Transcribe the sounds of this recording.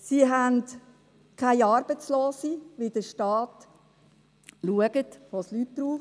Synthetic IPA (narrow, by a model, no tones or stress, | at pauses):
siɦænt | kʰaɪɑːɾb̥ət͡sloːsiʋɪd̥əʃtɑːt | luəɡ̥ətʋoslytd̥ɾuː